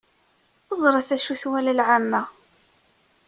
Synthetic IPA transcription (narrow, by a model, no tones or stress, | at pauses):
əzˤɾˤɑθæʃuθwælælʕamːæ